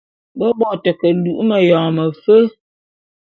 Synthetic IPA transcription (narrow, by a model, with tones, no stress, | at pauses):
bɔ˦bɔ˨tə˨kə˨lu˨ʔmə˨jɔ̃ː˨mə˨fə˦